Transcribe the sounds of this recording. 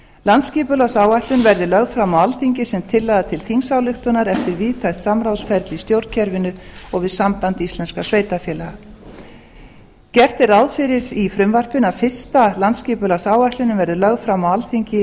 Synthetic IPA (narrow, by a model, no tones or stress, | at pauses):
lant̪sciːpʏlasaːwaht̪lʏnvɛɾðɪlœɣfɾamawalθiɲcɪsɛmt̪ʰɪlːɛɣðat̪ʰɪlθiŋsaːwlɪxt̪ʏnaɾɛft̪ɪɾviːðt̪ʰajt̪samɾawsfɛɾt̪list̪jowɾcʰɛɾvɪnʏɔɣvɪðsampant̪ist̪ɛnskasveːjt̪afjɛːlaɣa | cɛr̥t̪ɪɾaðfɪɾɪɾifɾʏmvar̥pɪnafɪ̥st̪alant̪sciːpʏlasaːwaht̪lɪnʏmvɛɾðɪlœɣfɾamawalθiɲcɪ